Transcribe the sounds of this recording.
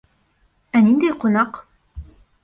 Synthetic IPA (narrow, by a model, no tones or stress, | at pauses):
ænind̪æjqunɑq